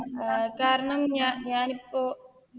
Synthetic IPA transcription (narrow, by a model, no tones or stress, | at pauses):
kaːɾɐɳɐmanjaːnipːoː